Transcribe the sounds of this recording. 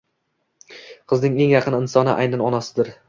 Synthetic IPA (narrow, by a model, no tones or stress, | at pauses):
qʰɨznɪŋe̞ŋjɑqʰɨnɪnsɒnɪ̰ʔa̰jnanɒnasɪd̪ɪɾ